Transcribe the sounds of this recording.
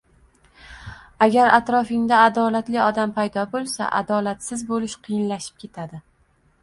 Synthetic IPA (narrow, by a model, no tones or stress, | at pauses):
aɡʲaɾat̪ɾɒfɪŋd̪aːd̪ɒlat̪lɪɒd̪ampʰajd̪ɒbolˠsa̰ʔa̰d̪ɒlat̪sɪzbolɪʃqʰɨjɪnlaʃɪ̥p̚kʲʰe̞t̪ʰad̪ɪ